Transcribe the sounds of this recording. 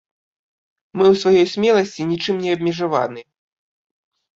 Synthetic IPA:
mɨwsvajɔjsʲmʲɛlˠɐsʲt͡sʲinʲit͡ʂɨmnʲɛɐbʲmʲɛʐava̰nɨ

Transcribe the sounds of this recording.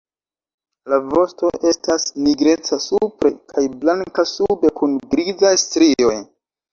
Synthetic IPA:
lavo̞sto̞ʔe̞stasniɡɾe̞t͡sasupɾe̞kʰajblaŋkasube̞kunɡɾizajstɾio̞j

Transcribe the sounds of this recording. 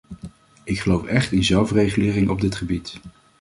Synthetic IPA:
ɪkχəlowfɛχtɪnzɛlˠfrejχəlɪːrɪŋɔb̚dɪtχəbit

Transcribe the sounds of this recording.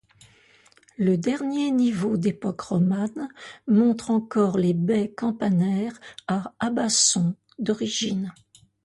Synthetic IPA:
ləd̪ɛʁnjenivod̪epɔkʁɔmanmɔ̃t̪χɑ̃kɔʁlebɛkɑ̃panɛʁaabasɔ̃ | d̪ɔʁiʒin

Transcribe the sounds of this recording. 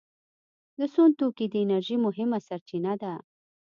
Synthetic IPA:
d̪əsont̪ukid̪əɪnaɾʒimʊɦɪmasaɾt͡ʃinad̪a

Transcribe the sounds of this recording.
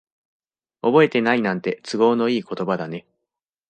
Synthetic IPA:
obo̞e̞t̪e̞nainãnt̪e̞t͡sɨɡo̞ːno̞iːko̞t̪o̞bad̪ane̞

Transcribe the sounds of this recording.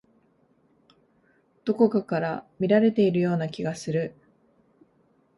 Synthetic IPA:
d̪̥o̞ko̞kakaɾamʲiɾaɾe̞t̪e̞iɾɯ̟jo̞ːnakʲiɡasɨɾɯ

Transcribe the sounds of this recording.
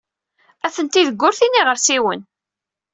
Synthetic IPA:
æθənt̪iðəɡːʊɾθinːiʁəɾsiwən

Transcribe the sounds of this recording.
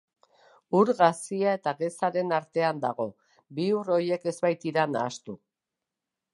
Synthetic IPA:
uɾɣasiae̞t̪aɣe̞saɾe̞naɾt̪e̞and̪aɣ̞o̞ | biuro̞je̞ke̞zbajt̪iɾanaːst̪u

